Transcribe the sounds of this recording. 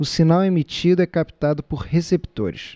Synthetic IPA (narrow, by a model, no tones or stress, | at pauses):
ʊsinawemit͡ʃid̪ʊɛkapi̥t̪ad̪ʊpʊɾhesebit̪o̰ɾɪ̰ʃ